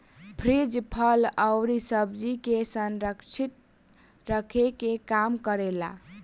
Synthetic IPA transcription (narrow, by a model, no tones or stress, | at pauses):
pʰɾid͡ʒpʰələwɾisəbd͡ʒikesənɾəkt͡ʃʰit̪̚ | ɾəkʰekekamkəɾela̰